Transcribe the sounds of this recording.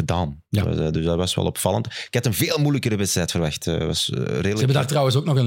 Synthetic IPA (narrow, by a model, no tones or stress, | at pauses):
ədaːn̰ | dʏsdɑtʋɑsʋɛ̰lˠɔ̰pfɑlˠə̰ntɪkɑtənveːlˠmujləkədəʋɛstrɛtfərʋɑxtə̰ʋɑ̰sreːdələɛbədaːrtrɑwəns̬oːknɔxən